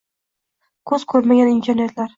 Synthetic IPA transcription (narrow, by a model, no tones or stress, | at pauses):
kʰɵz̥kʰɵɾmaɡʲanint̪eɾnʲet̪laɾ